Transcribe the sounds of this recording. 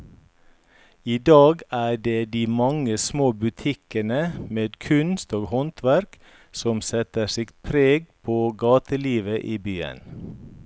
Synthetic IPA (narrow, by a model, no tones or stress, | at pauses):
iːd̪ɑːɡæːɖeːd̪iːmɑŋəsmoːbʉt̪ʰɪkənəmeːd̪kʰʉnst̪oːɡhɔnt̪ʰʋæɾk | sɔmsɛt̪əsɪɡpʰɾeːɡpʰoːɡɑːt̪əliːʋəʔiːbyːə̰n